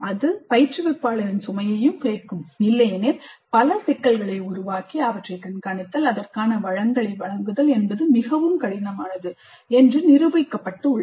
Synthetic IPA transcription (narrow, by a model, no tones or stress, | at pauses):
ɐðɯpɐjɪrt͡ʃrɯʋɛpːaːɭɐɾɪnsʊmɐjɐjɯmkeːrkɯmnɪlːɐjneːɾpɐlɐsɛkːɐlɣɐɭɐɪʊɾʊʋaːkiɐʋɐʈrɐɪkɐnkaːnɪt̪ːɐlɐðɐrkaːnɐʋɐɻɐŋd̪ɐɭɐɪʋɐɻɐŋɡɯðɐlɛnbɐðɯmɪɣɐʋɯmkɐɽɪnɐmaːnɐðɯ | ɛndrɯnɪɾɯʋɐɪkːɐpːɐʈːɯʊɭ